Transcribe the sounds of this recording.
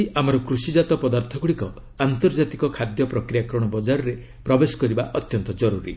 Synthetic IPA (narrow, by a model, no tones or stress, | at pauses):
iʔamɔɾɔkɾusid͡ʒat̪ɔpɔd̪aɾt̪ʰɔɡuɽikɔ | ant̪ɔɾd͡ʒat̪ikɔkʰad̪jɔpɾɔkɾijakɾɔɽ̃ɔbɔd͡ʒaɾɔɾe | pɾɔbesɔ̥kɔɾibaʔɔt̪jɔnt̪ɔd͡ʒɔɾuɾḭ